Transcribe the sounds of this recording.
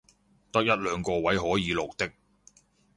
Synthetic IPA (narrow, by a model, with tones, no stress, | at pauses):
t̪ɐ˥k̚jɐ˥t̚lœː˨˧ŋkɔː˧wɐ˨˥jɦɔː˨˥jiː˨˧lo˨˩k̚t̪ɪ˥k̚